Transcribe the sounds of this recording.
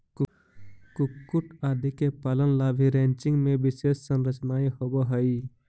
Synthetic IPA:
k | kukːuʈaːd̪ʱikepalənlaːbʱiɾẽnt͡ʃɪ̃ŋɡmẽbɪsessənɾət͡ʃnaːiɦoboɦəi

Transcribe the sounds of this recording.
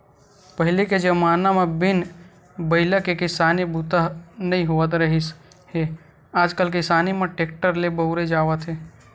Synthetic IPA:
pəɦɪliked͡ʒəmaːnamebɪn | bəɪləkekɪsaːnibut̪əɦnəĩɦoət̪ɾəɦis | ɦe | aːd͡ʒkəlkɪsaːnimẽʈeːk̚ʈəɾlebəʊɾed͡ʒaːʋət̪ɦe

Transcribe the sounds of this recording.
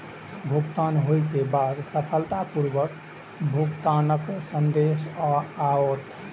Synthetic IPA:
bʱuɡt̪anɦojkebad̪səpʰəlt̪apuɾʋək | bʱuɡt̪anəksənd̪esɔaot̪

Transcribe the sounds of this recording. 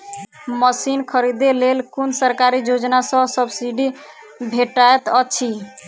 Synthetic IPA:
məsinkʰəɾid̪elelkunsəɾkaɾijod͡ʒnasə̃səbsiɖi | bʱeʈaet̪ət͡ʃʰi

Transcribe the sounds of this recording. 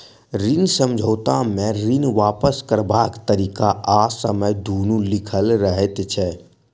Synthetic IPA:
ɾɪnsə̃md͡ʒʱoːt̪amẽɾɪnʋaːpəskəɾbaːkt̪əɾiːkaaːsəməjd̪ʱoːnulɪkʰəlɾəɦet̪t͡ʃʰɛ

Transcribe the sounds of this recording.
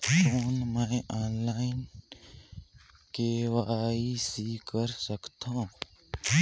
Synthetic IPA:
foːnməaːnlaːɪn | keʋaːisikəɾsəkt̪ʰã

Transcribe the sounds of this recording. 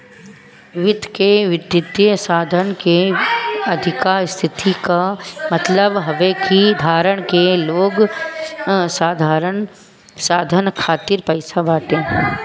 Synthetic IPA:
ʋɪt̪keʋɪd̪jɪd̪jəsaːd̪ʱənke | ɐd̪ʱɪkaːɾst̪ʰɪt̪ikamɐt̪ləbɦɐʋekid̪ʱaːɾəɽ̃keloːɡ | saːd̪ʱaːɾəɳ | saːd̪ʱənkʰaːt̪ɪɾpɐɪsabaːʈ̪ẽː

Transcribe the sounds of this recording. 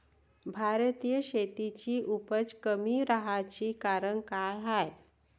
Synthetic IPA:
bʱaɾət̪iːjəɕet̪it͡ɕiːʔupət͡skəmiɾaɦat͡ɕiːkaɾəɳkajɦaj

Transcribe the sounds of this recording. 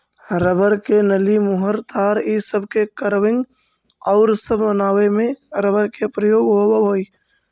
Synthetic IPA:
ɾəbəɾkenəlimʊɦəɾt̪aːɾisəbʱkekəɾʋɪ̃ŋɡ | ɔːɾsəbʱbənaːwemẽɾəbəɾkepɾəjoːɡɦobaɦoi

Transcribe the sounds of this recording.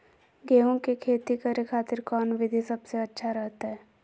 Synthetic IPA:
ɡeːõkekʰeːt̪ikəɾekʰaːt̪ɪɾkɔːnʋɪd̪ʱisɐbseɐtːʃʰaɾɛɦt̪aɦɛː

